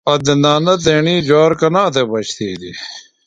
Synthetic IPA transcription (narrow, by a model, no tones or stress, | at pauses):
ɐd̪enaːnɐt̪̬eːɳiːd͡ʑoːɾkɐnãːt̪ebɐt͡ɕt̪iːd̪ḭ